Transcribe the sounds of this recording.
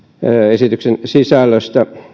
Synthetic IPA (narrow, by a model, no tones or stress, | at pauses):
esit̪yksensisælːøst̪æ